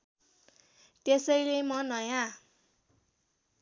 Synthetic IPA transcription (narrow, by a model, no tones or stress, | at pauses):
t̪esʌjlemʌnʌjã